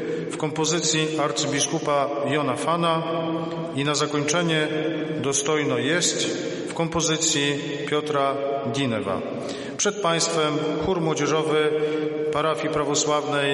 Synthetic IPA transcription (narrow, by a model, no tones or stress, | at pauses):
fkɔmpɔzɘt̪sʲjiaɾt̪sɨbʲiskupajɔnafana | inazakɔɲt͡ʂɛɲɛd̪ɔst̪ɔjnɔjɛst | fkɔmpɔzɘt̪sʲji | pʲjɔt̪ɾaɡʲinɛva̰ | pʂɛt̪̚paj̃st̪fɛmxuɾmwɔd͡ʑɛʐɔvɘpaɾafʲjipɾavɔswavnɛj